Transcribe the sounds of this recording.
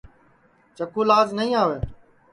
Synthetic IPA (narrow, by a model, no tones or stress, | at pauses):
t͡ʃəkuːlaːznəɦĩːaːʋeː